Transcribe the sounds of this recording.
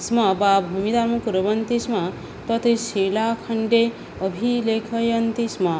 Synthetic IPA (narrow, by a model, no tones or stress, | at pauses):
smʌbabʱumid̪aɾmɐkuɾbʌnt̪ismʌ | t̪ʌt̪ʰesilakʰɐɳɖe | ʌbʱilekʰʌjʌnt̪ismʌ